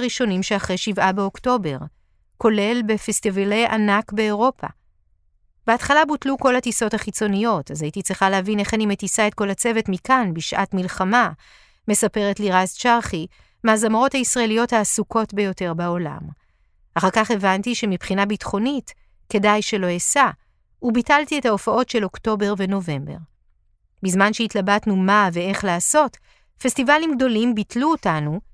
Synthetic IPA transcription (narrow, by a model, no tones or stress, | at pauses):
ʁiʃo̞nimʃeaχʁejʃivʔabeo̞kto̞be̞ʁ | ko̞le̞lbefestivale̞jʔa̰nakbe̞ːʁo̞pʰa̰ | b̥eatχalabutluko̞lhatiso̞thaχit͡so̞nijo̞tazajitit͡sʁiχalehavine̞χanime̞tisae̞t̚ko̞lat͡se̞ve̞tmikanbiʃʔa̰tmilχama | me̞sape̞ʁetliʁazt͡ʃaʁχi | maːzamaʁo̞thaisʁaelijo̞thaːsuko̞tbe̞jo̞te̞ʁbaola̰m | ʔaχaʁkaχe̞vantiʃe̞mipχinabitχo̞nit | ke̞dajʃe̞lo̞esa | ubitaltiethaofao̞tʃe̞lo̞kto̞be̞ʁve̞no̞ve̞mbe̞̰ʁ | bizmanʃeitlabatnumave̞e̞χlaːso̞t | festivalimɡ̚do̞limbitluotanu